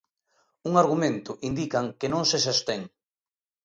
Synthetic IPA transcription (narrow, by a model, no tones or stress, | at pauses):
uŋaɾɣ̞umẽnt̪ʊʔind̪ikaŋkenõŋses̬est̪eŋ